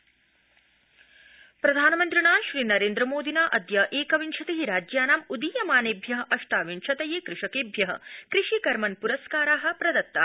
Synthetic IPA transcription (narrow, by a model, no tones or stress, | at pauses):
pɾɐd̪ʱaːnɐmɐnt̪ɾiɳaːʃɾiːnɐɾeːnd̪ɾɐmoːd̪ʱinaːʔɐd̪jɐʔeːkɐʋinʃʰɐt̪eɦiɾaːd͡ʒjaːnaːmud̪ijɐmaːneːbʱjɐɦɐʔɐʂʈaːʋinʃʰɐt̪ɐjeːkɾɪʂɐkeːbʱjɐɦɐ̰̆kɾiʃikɐɾmɐnpuɾɐskaːɾaːɦɐ̆pɾɐd̪ɐt̪ːaː